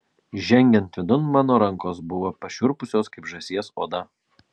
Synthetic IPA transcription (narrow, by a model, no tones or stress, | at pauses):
ʒʲɛŋʲɡʲɛnt̪ʲʋʲɪd̪ʊnmɑːnoːɾɐŋˑkoːsbʊʋoːpɐʃʲʊɾpʊsʲoːskɐɪpʒɐsʲiɛsoːd̪ɐ